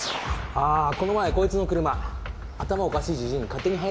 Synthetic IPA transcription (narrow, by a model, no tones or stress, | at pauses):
aːko̞no̞maeko̞ːit͡sɨno̞kɯ̟ɾɯ̟ma | at̪amaookaɕiːd͡ʑiʑĩɲikat̪ːe̞ɲ̟iɦai